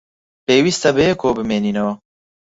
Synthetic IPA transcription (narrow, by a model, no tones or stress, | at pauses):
peːwist̪ɐbɨjɛkʰoːbɨmeːninoː